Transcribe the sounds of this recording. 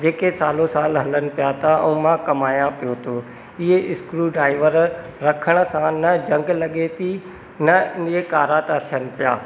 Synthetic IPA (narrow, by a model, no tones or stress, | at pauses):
d͡ʑeːkesaːlosaːlɦɐlənɪ̆pijat̪ʰaɐ̰ũmãkɐmaːjãpijot̪ʰoː | ɪɦeʔɪskɾuɖɾaːɪʋəɾ | ɾɐkʰəɽ̃ə̆sãnɐd͡ʑɐ̃ŋɡlɐɠet̪ʰi | nɐɪnekaːɾaːt̪at̪ʰijənɪ̆pija̰ː